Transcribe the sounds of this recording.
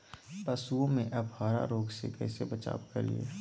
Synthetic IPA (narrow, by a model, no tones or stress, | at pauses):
pɐsuõmẽʔɐbʱaːɾa̰ɾoːɡsḛkɛ̰ːsebɐt͡ʃa̰ːbkɐɾlḭḛː